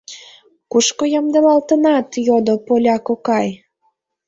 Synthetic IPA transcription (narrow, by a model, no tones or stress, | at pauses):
kuʃkojɑmd̪əlɑlt̪ənɑt̪jod̪opolʲɑkokɑj